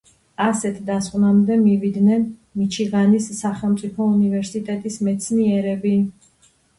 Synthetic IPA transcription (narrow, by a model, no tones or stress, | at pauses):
asɛt̪ʰd̪asqʼnamd̪ɛmivid̪nɛnmit͡ʃʰiʁanisːaχɛlˠmt̪sʼipʰɔunivɛɾsit̪ʼɛt̪ʼismɛt̪sʰniɛɾɛbi